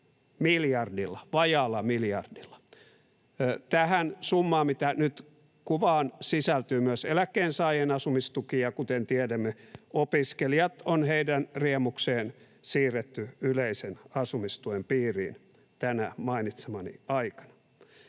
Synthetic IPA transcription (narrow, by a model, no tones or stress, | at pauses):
miljɑrdilːɑʋɑjɑlːɑmiljɑrdilːɑ̥ | t̪æhænsumːɑːmmit̪ænyt̪ | kuʋɑːnsisælt̪yːmyøselækːeːnsɑːjenɑsumist̪ukijɑkut̪ent̪iɛdæmːeopiskeliɑt̪onheidænriɛmukseːn | siːret̪ːyyleisenɑsumist̪uempiːrḭːn | t̪ænæmɑinit̪semɑnḭɑikɑ̥nɑ̥